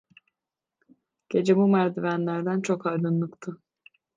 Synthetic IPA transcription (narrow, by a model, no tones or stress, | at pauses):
ɟ̥e̞d͡ʒemumæɾd̪ivænlʲæɾd̪ænt͡ʃʰo̞kaɾd̪ɯnlˠɯkt̪ʰɯ